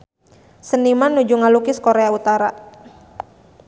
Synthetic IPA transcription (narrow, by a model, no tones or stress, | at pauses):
sənimanːud͡ʒuŋalukiskoɾeaut̪aɾa